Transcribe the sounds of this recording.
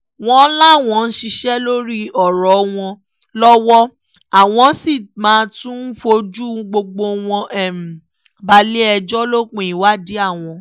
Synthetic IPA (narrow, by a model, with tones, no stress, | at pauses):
w̃ɔ̃˦la˦˨w̃ɔ̃˧n̩˦ʃi˧ʃɛ˦lo˦ɾi˦ɔ˨ɾɔ˨w̃ɔ̃˧ | lɔ˦wɔ˦ | a˨w̃ɔ̃˧˦si˦˨mãː˨˦tũ˦n̩˦fo˧d͡ʒu˦ɡ͡bo˧ɡ͡bo˧w̃ɔ̃˧ʔɛ˦˨m̩˨ | ba˧le˦ɛ˧d͡ʒɔ˦lo˦k͡pẽ˦˨i˨wa˦di˦a˦˨w̃ɔ̃˧